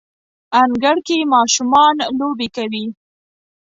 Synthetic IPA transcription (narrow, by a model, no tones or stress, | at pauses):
anɡaɽkemɑʃumɑnlobekawi